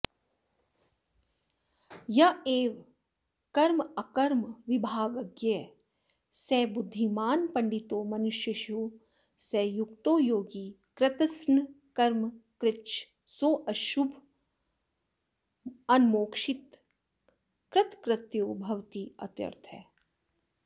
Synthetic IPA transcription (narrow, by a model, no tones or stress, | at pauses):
jɐeːʋ | kɐɾmɐkɐɾmʋɪbʱaːɡɐɡje | sɛːbʊd̪ʱːimaːnpɐɳɖit̪oːmɐnʊʃjɐʃuː | sɛːjuk̚t̪oːjoːɡi | kɾɪt̪ɐsn | kɐɾmkɾɪtʃ | soːʔɐʃubʱ | ɐnmoːkʃɪt̪ | kɾɪt̪kɾɪt̪joːbʱɐʋt̪iːɐ̰t̪jɐ̰ɾt̪ʰɛ̰ː